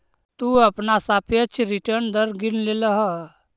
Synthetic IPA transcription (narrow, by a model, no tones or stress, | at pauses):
t̪uəpnasapət͡ʃʰɾiʈəɾnd̪əɾɡinleləɦə